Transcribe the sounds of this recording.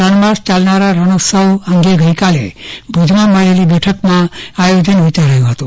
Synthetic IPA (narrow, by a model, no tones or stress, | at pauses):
ɾəɳmast͡ʃalnaɾaɾəñosəwəŋɡeɡəjkalḛbʱud͡ʒmaməɭelibɛʈʰəkmãajod͡ʒənʋit͡ʃaɾəjũɦət̪u